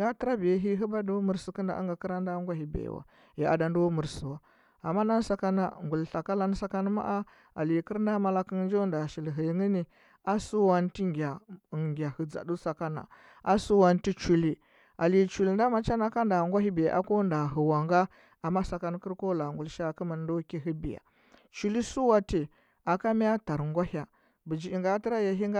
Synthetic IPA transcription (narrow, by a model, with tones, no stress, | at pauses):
ɡa˦tɾa˦bi˨ja˨˦ɦi˦ɦi˦ba˦du˦mu˨ɾsə˨kə˦nda̰˨ʔa̰˦ŋɡa˨ki˦ɾa˦nda˦ŋɡʷa˦ɦi˨bḛ˨wa̰˨ | ji˨a̰˨da˨ndu˦mu˨ɾsu˨wa˨ | a˨mːa˦na˦n˦sa˦ka˦na̰˨ŋɡu˨lɬa˨ka˦la˦n˦sa˦ka˦n˦ma̰˦ʔa˦ | a̰˨li˨kə˦ɾnda˦ma˨la˦kə˦nd͡ʒo˦nda˨ʃi˨lɦi˨˦ŋi˦ni˦ | a˦su˦wa˦nti˦ŋɡʲa˨ŋɡʲa˨hə˨d͡za̰˨du˦sa˨ka˦na̰˨ | a˦su˦wa˦nti˦t͡ʃu˨li˦ | a˨li˨t͡ʃu˨lnda˦ma˨t͡ʃa˦na˦ka˦nda˨ŋɡʷa˦ɦi˦bi˨ja̰˨ʔa̰˦ko˦nda˨ɦə˨wa˨ŋɡa˦ | a˨mːa˦sa˨ka˦n˦kə˦ɾko˦la˨ŋɡu˨lʃa˦˨kə˦ma˨n˦do˦ki˦ɦi˦bi˨ja̰˨ | t͡ʃu˦li˦su˦wa˦ti˨ | a˨ka˦mi˦a˦ta˨ɾŋɡʷa˦ha˨ | bə˨d͡ʒi˨i˨ŋɡa˦ti˦ɾa˦ja˨ɦi˦ŋɡ